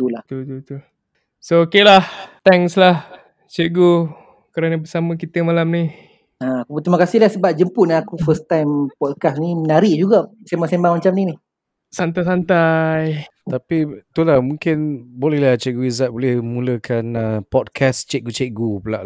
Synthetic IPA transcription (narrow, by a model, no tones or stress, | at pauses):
t̪ulaht̪ut̪ut̪u | sookelaht̪ɛŋslah | t͡ʃeʔɡu | kəɾanəbəsamə̃kit̪əmalamni | aakuput̪imakasɪhlahsəbap̚d͡ʒəmpuʔnaakufəst̪ajmpɔd̚kasniənaɾiʔd͡ʒuɡasembaŋsembaŋmat͡ʃamninih | sant̪ajsant̪ajt̪apit̪ulahmuŋkɪnbolɛhlaht͡ʃɛʔɡuizat̪̚bolɛhmuləkʰanəpɔd̚kʰast͡ʃeʔ̚ɡut͡ʃeʔɡupula̰ʔ